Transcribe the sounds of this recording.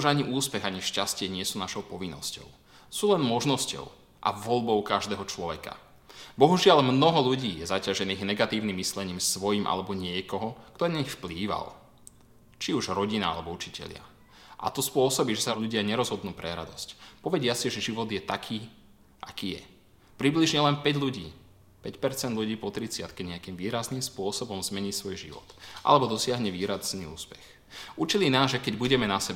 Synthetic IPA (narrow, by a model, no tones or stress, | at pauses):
uʒaɲiʔuːspɛɣaɲiʃcascɪɛɲɪɛsuːnaʃɔʊpɔʋinːɔscɔ̰ʊ | suːlɛnmɔʒnɔscɔ̰ʊ | ʔa̰ʋɔʎbɔʊkaʒd̪ɛːɦɔt͡ʃlɔʋɛka̰ | bɔɦuʒɪalmnɔɦɔluɟiːjɛzacaʒɛniːɣnɛɡat̪iːʊnimːislɛɲiːmsʋɔjimʔa̰lɛbɔɲɪɛkɔɦɔkt̪ɔɛnaɲixfpliːʋa̰l | t͡ʃiuʒɾɔɟinaa̰lɛbɔut͡ʃicɛ̰ʎɪa̰ | ʔa̰t̪ɔspʊɔsɔbiːʒɛsaʎuɟɪaɲɛɾɔzɦɔd̪nuːpɾɛɾa̰d̪ɔscpɔʋɛɟɪasiʒɛʒiʋɔd̪jɛt̪akʰiː | ʔakiːjɛ̰ | pɾibliʒɲɛlɛnpɛɟʎuɟḭː | pɛcpɛɾt͡sɛnd̪ʎuɟiːpɔt̪ɾit͡sɪat̪kɛɲɛakiːmʋiːɾaznimspʊɔsɔbɔmzmɛɲiːsʋɔjʒḭʋɔ̰t̪ʔa̰lɛbɔd̪ɔsɪaɦɲɛʋiːɾaznḭːṵːspɛ̥x | ut͡ʃilinaːzʒɛkɛɟbuɟɛmɛnasɛba